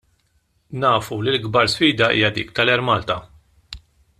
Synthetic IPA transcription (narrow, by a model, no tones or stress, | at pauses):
nɐːfulilɡbɐɾsfiːd̪ɐʔḭːjɐd̪ḭːkt̪ɐlɛɾmɐlt̪ɐ